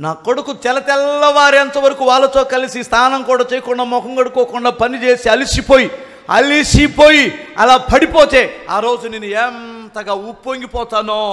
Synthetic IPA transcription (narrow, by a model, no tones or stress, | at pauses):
naːkːoɽukut̪ɛlɐt̪ɛlːɐʋaːɾiɐnt̪ɐʋɐɾɐkuʋaːlːɐt̪oːkɐlisist̪ʰaːnɐŋkuːɽaːt͡ʃɛːjɐkuɳɖaːmɔkɐŋɡɐɽukoːkuɳɖaːpɐnit͡ʃeːsiɐlisipo̞ːji | ɐ̰lisipoːjiɐ̰laːpɐɽipoːt̪e̞ːa̰ːɾo̞ːd͡ʒuneːnːueːnt̪ɐɡaːupːoːŋɡipɔːt̪aːnoː